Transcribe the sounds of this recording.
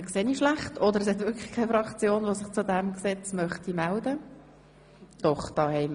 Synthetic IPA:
kseːniʃlæχtʰɔd̪əɾɛs̬hɛt̪vʏɾkχə̥χkʰaɪfɾɑkt͡sjoːnʋosɪχt͡sud̪æmksɛt͡smœχt̪imældə | d̪̥ɔχd̥ɑːhɛɪjm

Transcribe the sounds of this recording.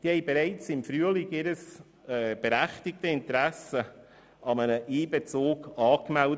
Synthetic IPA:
d̥ihɛjbeɾæɪt͡sɪmfɾyəlɪkɪɾəs | ɛːb̥eɾæχtɪk̚təɪntɾæsə | ɑmənəʔiːbɛt͡soːkɑːkmæld

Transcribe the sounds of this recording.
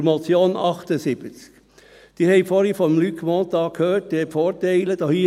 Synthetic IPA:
mɔt͡sjoːnɑχt̪əsɪb̥ət͡sk | d̥iːɾhɛɪfoːɾhəfɔnmlykʰmoːt̪ɑːkkʰhøːtd̥̪efoːɾtæɪləd̥̪ɑhiː

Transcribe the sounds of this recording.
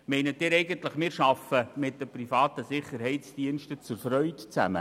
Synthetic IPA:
mɛɪnətːɪːɾɛɪɡəntləχmɪːɾʃɑfəmɪt̚d̥əprifɑːt̪əsɪχəɾhɛɪtt͡sd̥iənʃtət͡sʊɾfɾœʏtt͡sæ̰mə̰

